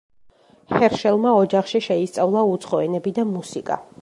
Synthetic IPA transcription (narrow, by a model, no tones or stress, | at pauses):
hɛɾʃɛlˠmaɔd͡ʒaχʃiʃɛist̪sʼavlˠaut̪sʰχɔɛnɛbid̪amusikʼa̰